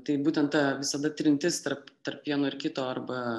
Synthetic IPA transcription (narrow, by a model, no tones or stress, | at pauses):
t̪ɐɪbuːt̪ʲɛnt̪t̪ɐʋʲɪsɐd̪ɐt̪ʲɾʲɪnʲt̪ʲɪst̪ɐɾpt̪ɐrpʋʲiɛnoːɪɾkʲɪt̪oːɐɾbɐ